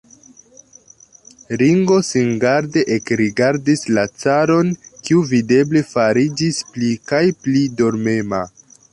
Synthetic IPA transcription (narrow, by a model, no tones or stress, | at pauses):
ɾiŋɡo̞sinɡaɾde̞ʔekɾiɡaɾdislat͡saɾo̞nkiuvide̞ble̞faɾid͡ʒisplikajplido̞ɾme̞ma̰